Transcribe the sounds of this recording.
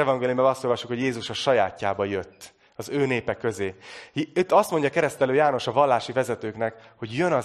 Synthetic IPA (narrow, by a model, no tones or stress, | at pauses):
ɛvɒŋɡeːliumbɛlɒst̪o̞lvɒʃːukho̞ɟjeːzuʃɒʃɒjaːcːaːbɒjøt̪ː | ɒzøːneːpɛkø̞zeː | t̪ːɒst̪mo̞ɲɟɒkɛɾɛst̪ɛløːjaːno̞ʃɒvɒlːaːʃivɛzɛt̪øːknɛkho̞ɟjønɒ